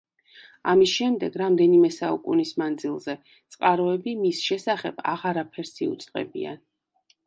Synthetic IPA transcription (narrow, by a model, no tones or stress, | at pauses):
a̰misʃɛmd̪ɛɡ̥ɾamd̪ɛnimɛsaukʼṵnismand̪zilˠz̥ɛ | t̪sʼqʼaɾɔɛbimisʃɛsaχɛb̥a̰ʁaɾapʰɛɾsiṵt̪sʼqʼɛ̰bḭa̰n